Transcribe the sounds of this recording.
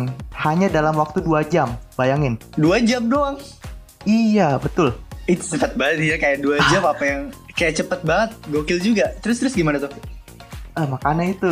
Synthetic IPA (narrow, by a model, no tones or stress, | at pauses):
ŋhaɲadalamwak̚t̪uduad͡ʒambajaŋɪnduad͡ʒamdoaŋ | ijabət̪ʊlit̪u̥səfat̪̚baŋət̪̚iɾakajaʔduad͡ʒamapajaŋkajaʔt͡ʃəpət̪̚baŋət̪̚ɡokɪld͡ʒuɡat̪əɾʊst̪əɾʊsɡimanat̪okʊ | əmakanait̪u